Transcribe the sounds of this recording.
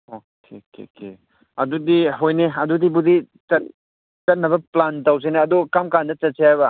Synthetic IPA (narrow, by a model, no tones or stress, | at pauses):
o | kʰekḛke | ɐdudiɦojneɐdudibudi | t͡ʃɐt̚ | t͡ʃɐt̚nɐbɐplantɐws̬eneɐdukamkandɐt͡ʃɐt̚sehajbɐ